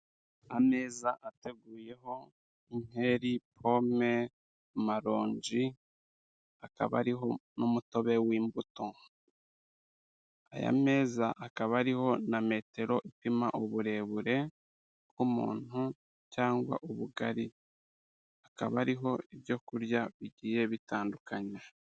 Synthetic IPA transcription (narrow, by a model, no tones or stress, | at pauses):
ame̞ːzaʔate̞ɡuːje̞ɦo̞ | ime̞ɾipʰo̞me̞ | maɾo̞ːɲɟi | aka̰βa̰ɾiɦo̞nomuto̞βe̞wiːmbuto̞ | a̰ja̰me̞ːzaʔakaβaɾiho̞name̞ːte̞ɾo̞ʔipimaʔuβuɾe̞βuɾe̞ | kumṵːn̥u | caːŋɡwa̰ʔuβuɡaɾi | aka̰βaɾiɦo̞iβɟo̞kuɾjaβiɟiːjeβitaːndukʰaɲa